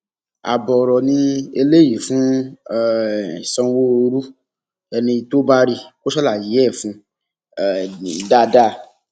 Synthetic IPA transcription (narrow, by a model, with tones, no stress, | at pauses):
a̰˨bɔ˨ɾɔ˨nĩ˧e˧le˦ji˨fũ˦˨ | sɔ̃˧wo˦o˧ɾu˦ | ɛ˧nĩ˧to˦ba˦ɾi˦ko˦ʃɔ˦la˦˨ji˨˦ɛ˦˨fũ˧˦˨ | da˦˨da˦˧˨